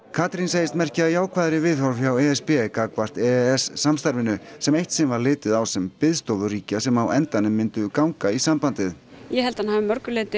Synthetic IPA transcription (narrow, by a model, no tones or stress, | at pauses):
kʰaːt̪ɾinseːjɪst̪mɛr̥cɪaðjaːwkʰvaːðɾɪvɪðfɔwɾfjawɛɛspɛkaːkvar̥t̪ɛɛsːamst̪aɾvɪnʏsɛmeht̪sɛmvaɾlɪːt̪ɪðawsɛmpɪðst̪oːðʏriːcasɛmawɛnt̪anʏmːɪnt̪ʏkawŋkaisampant̪ɪðjɛhɛlt̪anhaːvɪmœɾkʏlɪːt̪ɪ